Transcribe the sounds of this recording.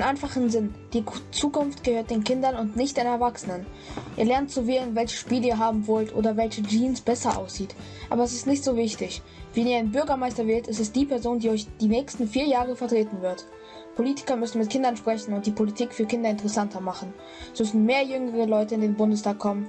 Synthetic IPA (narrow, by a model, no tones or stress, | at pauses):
nʔaɪnfaχnzɪnd̥iːt͡suːkʊnftɡ̥əhøːɐt̚d̥eːnkʰɪndɐnʊntnɪçt̚d̥eːnɛɐvaksənən | ʔiːɐlɛɐnt̚t͡suveːlənvɛlçə̥ʃpiːləiːɐɦaːbm̩vɔltʔo̰ːdɐvɛlçəd͡ʒiːnsb̥ɛsɐʔa̰ʊsz̥iːt | ʔa̰ːbɐɛs̬ɪstnɪçtz̥oːvɪçtɪç | viːniːɐaɪnbʏɐɡɐmaɪstɐvɛːltɛstɛstd̥iːpʰɛɐzoːndiːɔʏçd̥iːnɛːçstn̩fiːɐjaːʁəfɛɐtʁ̥eːtn̩vɪɐt | pʰoliːtɪ̥kɐmʏsn̩mɪtkʰɪndɐnʃpʁ̥ɛçn̩ʊnt̚d̥iːpʰolitʰiːkfyːɐkʰɪndɐɪntəʁɛsantʰɐmaχn̩ | smʏsn̩meːɐjʏŋəʁəlɔʏtəɪndeːnbʊndəstʰaːkʰːɔmən